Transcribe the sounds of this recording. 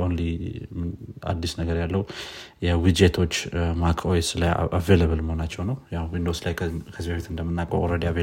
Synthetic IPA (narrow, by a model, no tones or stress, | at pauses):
onlima̰d̪ːisnəɡəɾjalːəhujɛwid͡ʒet̪ʰo̞t͡ʃːmakʰojeslajave̞ləβɨlməhonat͡ʃːɛwnəwjahwind̪o̞slajkʰəzibafit̪ɨnd̪əmːɨnːakʼə̰uɾəd̪ave